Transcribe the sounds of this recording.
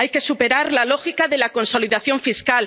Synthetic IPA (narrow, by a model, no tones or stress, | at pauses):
ajke̞supe̞ɾaɾlalo̞xikaðe̞lako̞nso̞liðaθjo̞ɱfiskal